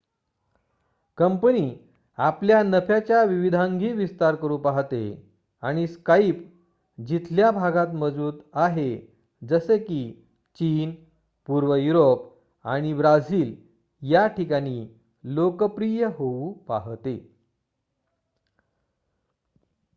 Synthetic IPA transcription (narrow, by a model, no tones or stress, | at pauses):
kəmpəniː | apljanəfjat͡ɕjaʋiʋid̪ʱãŋɡʱiːʋist̪aɾkəɾuːpaɦt̪e | aɽ̃iskaip | d͡ʑit̪ʰljabʱaɡat̪məd͡zuːt̪aɦe | d͡zəsekiː | t͡ɕiːn | puɾʋəjuɾop | a̰ɽ̃ibɾad͡ziːl | jaʈʰikaɽ̃iː | lokəpɾijəɦoupaɦt̪e